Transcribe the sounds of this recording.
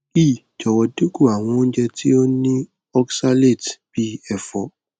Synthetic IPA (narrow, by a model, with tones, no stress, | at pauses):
i˦˨ | d͡ʒɔ˨wɔ˨du˦ku˦˨a˨w̃ɔ̃˧˦n̩˦d͡ʒɛ˧tʰi˦o˦nĩ˦ | ɔ˦ksa˦le˦˨tb̥i˦ɛ˨fɔ˨